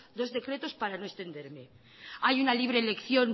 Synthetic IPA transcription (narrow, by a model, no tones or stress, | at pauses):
d̪o̞zðe̞kɾe̞t̪o̞spaɾano̞e̞st̪e̞nd̪e̞ɾme̞ | ajunaliβɾe̞le̞kθjo̞n